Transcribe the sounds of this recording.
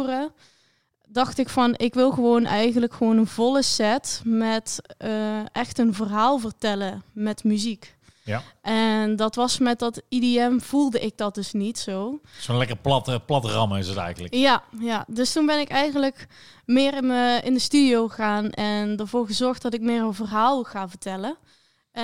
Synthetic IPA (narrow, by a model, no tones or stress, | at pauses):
rə | dɑxtɪkfɑnɪkʋɪlˠɣəʋownʔɛjɣənləkxəʋownənvɔlˠəsɛtmɛtəʔɛxtənvərɦaːlˠvərtɛləmɛtmyzik | ʔɛndɑtʋɑsmɛt̚dɑtidiɛmv̥ulˠdəʔɪɡ̚dɑt̚dɵsnitsowsonlɛkəpltplɑtrɑmaɪsətɛ̰jɣənləkjajadɵstunbɛnɪkɛjɣənlək | mɪːrɪəɪndəstydiowxəɣaːnʔɛndəɹvoːɹɣəzɔɹxdɑtɪk̚mɪːrənvərɦaːlˠɣaːvərtɛlə